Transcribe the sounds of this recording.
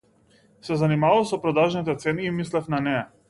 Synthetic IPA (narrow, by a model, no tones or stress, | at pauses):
sɛzanimavalˠsɔpɾɔd̪aʒnit̪ɛt̪sɛniːmislɛfnanɛa